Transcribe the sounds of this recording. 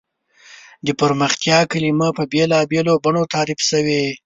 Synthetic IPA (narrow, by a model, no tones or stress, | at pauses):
d̪əpəɾməxt̪jɑkalimapəbelɑbelobaɳot̪ɑɾɪfsəwe